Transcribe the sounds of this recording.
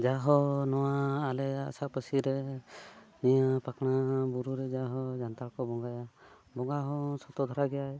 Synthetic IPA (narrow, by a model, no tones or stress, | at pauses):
d͡ʒaɦɔnɔwaːlɛja̰sapəsiɾɛ | ɛjapakɽ̃abuɾuɾɛd͡ʒaɦɔd͡ʒant̪aɽkɔbɔŋɡaja | bɔŋɡaɦɔ̃sɔt̪ɔd̪ʱɔɾaɡɛjaj